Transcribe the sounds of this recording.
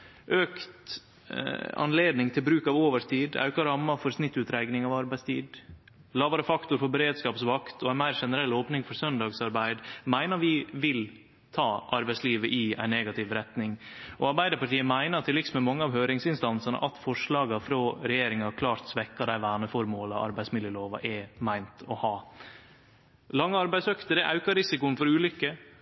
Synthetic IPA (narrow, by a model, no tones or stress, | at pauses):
ʔøːkt̪ | ɑ̰nleːd̪nɪŋt̪ʰɪlbɾʉːkɑʋoːʋəʂt̪ʰiːd̪ɑ̰ʉkɑɾɑmːɑfɔɾsnɪt̪ːʉːt̪ɾæɪɡnɪŋɑʋɑɾbæɪst̪ʰḭːd̪ | lɑːʋɑɾəfɑkt̪ʊɾfɔɾbɛɾeːd̪skɑːpsʋɑkt̪ʰɔæɪnmæɪɾʂɛnəɾɛlːoːpnɪŋfɔɾsœnd̪ɑːɡsɑɾbæɪd̪mæɪnəɾʋɪʋɪl | t̪ʰɑːʔɑɾbæɪsliːʋəʔɪæ̰ɪnːɛːɡɑt̪ʰɪʋɾɛt̪nɪŋʔɔɑɾbæɪd̪əɾpɑʈiːəmæɪnət̪ʰɪlːɪɡsmɛmɑŋːəɑːʋɦøːɾɪŋsɪnst̪ɑnsɑnə̰ʔɑt̪fɔʂlɑːɡɑfɾoːɾɛjeːɾɪŋɑkʰlɑːɾt̪sʋɛkːɑd̪æɪʋæːɳəfɔɾmoːlɑɑ̰ɾbæɪsmɪd̪jəloːʋɑ̰ʔɛmæɪnt̪ʰɔhɑː | lɑŋːəɑɾbæɪsœkt̪əɾɛʔɑ̰ʉkɑɾɪsɪkʊənfɔɾʉːlʏkːə